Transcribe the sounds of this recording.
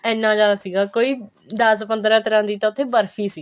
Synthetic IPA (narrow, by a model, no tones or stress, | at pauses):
ɛːnːãːd͡ʒaːd̪aːsiːɡaːkoːiː | d̪aːspə̃nd̪əɾaːt̪əɾãːnd̪iːt̪ãːʊt̪ʰːeːbəɾfʰiːsiː